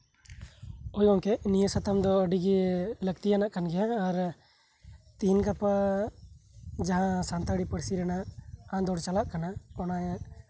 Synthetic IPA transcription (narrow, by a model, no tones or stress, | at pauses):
ɔjɡɔŋkɛʔnijəsat̪amd̪ɔəɖiɡiləɡ̚t̪ijanaʔkanɡɛjaːɾ | t̪inɡapa | d͡ʒaɦãsant̪aɽipəɽsiɾɛnaʔãd̪ɔɽt͡ʃalaʔkanaɔnajaʔ